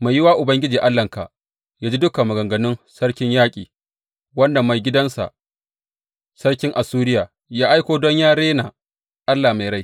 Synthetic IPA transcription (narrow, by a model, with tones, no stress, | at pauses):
ma˨jːɪ˦waː˦ʔʊ˨bɐ˦ŋɡʲɪ˦d͡ʒiː˨ʔa˦lːɐ˨ŋka̰˨ʔ | jaː˦d͡ʒi˦dʊ˦ka˨mɐ˨ɡɐ˨ŋɡɐ˨nɪ˦nsɐ˦ɽkʲɪ˦ɲjaː˦kʲʼiː˨ | wɐ˦nda˨ma˨jɡʲɪ˦dɐ˦nsa̰˨ʔ | sɐ˦ɽkʲɪ˦ŋʔa˨suː˦ɾɪ˦jaː˨ | jaː˦ʔa˦jkʷoː˨dɔ˦ɲjaː˦ɽeː˦naː˨ | ʔa˦lːaː˨ma˨jɾa˦j